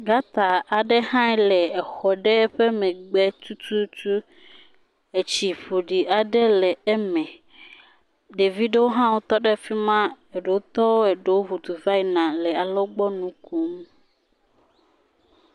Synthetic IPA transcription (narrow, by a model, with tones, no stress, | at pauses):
ɡa˦t̪a˨a˨ɖɛ˦hã˦ɛ˦lɛ˨ɛ˨xɔ˨ɖɛ˦ɛ˦ɸɛ˦mɛ̃˨ɡ͡bɛ˦t̪u˦t̪u˦t̪u˦ | e˨t͡ɕi˨ɸo˨ɖi˨ʔa˨ɖɛ˦lɛ˨ɛ˦mɛ̃˨ | ɖe˨vi˦ɖe˦wo˦ɦã˦wo˦t̪ɔ˦ɖɛ˦fi˦mã˦ | e˨ɖe˨wo˦t̪ɔ˦wo˦ɛ˨ɖe˨wo˦ɦu˨t̪u˨va˦i˦nã˨lɛ˨a˨lɔ˦ɡ͡bɔ˦nũ˦ku˦m